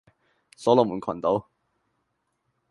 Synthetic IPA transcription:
sɔː˨˥lɔ˨˩muː˨˩nkʰɐ̰˨˩nt̪o˨˥w

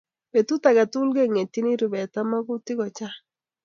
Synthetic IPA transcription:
be˨tu˦ta˨ɡa˨tʊ˦lɡe˦ŋe˨ti˦ni˦ɾu˨bɛ˨ta˦ma˦ɡʊ˦tɪ˦ɡɔ˨t͡ʃa˦

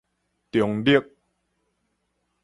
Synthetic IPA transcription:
t̪jo˨˩˦ŋdi˦˥ə˨k̚

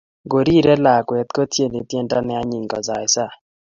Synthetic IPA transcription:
ɡo˨ɾi˦ɾɛ˦la˨kwɛ˨t̪̚kɔ˦tje˦˨ni˨t̪jɛ˦nta˦nɛ˦a˦ɲi˨ŋɡɔ̰˨za˨ɪ˨sa˦˨

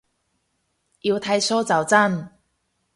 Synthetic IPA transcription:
ji˧wt̪ʰa˧jsɔː˥t͡sɐ˨˩wt͡sa˥˩n

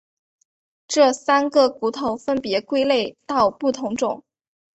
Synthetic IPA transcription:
ʈ͡ʂɤ˥˩sa˥nɡə˥˩ku˧˥t̪ʰo˨˩˥ʊfə˥npjɛ˧˥kwe˥ɪle˥˩ɪt̪ɑ˥˧ʊpu˥˩t̪ʰʊ˧˥ŋʈ͡ʂʊ˨˩˦ŋ

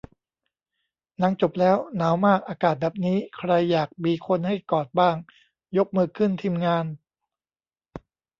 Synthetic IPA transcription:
na˧˥ŋt͡ɕo˨˩p̚lɛː˦˥wnaː˩˦wmaː˥˩k̚ʔaː˧kaː˨˩t̪̚bɛː˨˩p̚niː˦˥kʰɾa˧jːaː˨˩k̚biː˧kʰo˧nha˥˩jkɔː˨˩t̪̚baː˥˩ŋ | jo˦˥k̚mɯː˧kʰɯ˥˩nt̪ʰiː˧mŋaː˧n

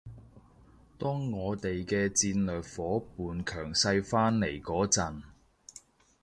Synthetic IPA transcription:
t̪ɔː˥ŋːɔː˨˧t̪e˨jkɛː˧t͡siː˧nlœː˨k̚fɔː˨˥puː˨nkʰœː˨˩ŋsɐ˧jfaː˥nle˨˩jkɔː˨˥t͡sɐ˨n

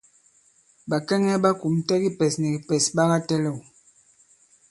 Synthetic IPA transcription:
ba˨kɛ˦ŋɛ˦ɓa˦ku˨mtɛ˦ɡi˦pɛ˨snɛ˨ɡi˨pɛ˨sɓa˦ɣa˦tɛ˦lɛ˦˨u˨

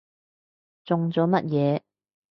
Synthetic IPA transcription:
t͡sʊ˨ŋt͡sɔː˨˥mɐ˥t̚jɛː˨˧˦

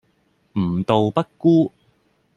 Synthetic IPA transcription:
m̩˨˩t̪o˨wpɐ˥t̚kuː˥

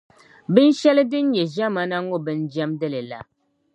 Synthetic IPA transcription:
bɨ˦n˦ʃɛ˦lɨ˦dɨ˦n̩˦ɲɛ˨ʒɛ˦ma˦na˦ŋŋo˦bɨ˦n˦d͡ʒɛ˦mdɨ˦lɨ˨la̰˨

